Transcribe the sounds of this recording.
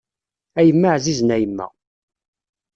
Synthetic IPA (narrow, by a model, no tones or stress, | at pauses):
æjəmːaʕziznæjəmːæ̰